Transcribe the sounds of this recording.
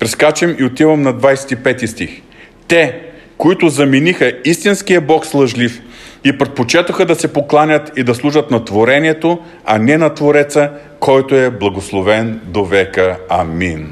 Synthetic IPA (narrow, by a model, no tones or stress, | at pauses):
pɾɛskat͡ʃɛmiot̪ivɐmnɐd̪vajsɛ̥t̪ipɛt̪ist̪ix | t̪ɛkoit̪ʊzɐminixəist̪insk̟ijəbɔkslˠɐʒlifipɾɛt̪̚pot͡ʃɛt̪oxəd̪ɐsɛpoklˠanʲət̪id̪ɐslˠuʒət̪nɐt̪voɾɛniɛt̪o | ɐnɛnɐt̪voɾɛt̪sə | kʰɔjt̪oɛblˠɐɡoslˠovɛnd̪ovɛkəɐmin